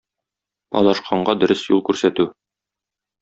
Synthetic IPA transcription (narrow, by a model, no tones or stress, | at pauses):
ɒ̰lˠɑʃqʰɑɴɢɑd̪ɵ̆ɾɘsjulˠkʉɾsæt̪ʉ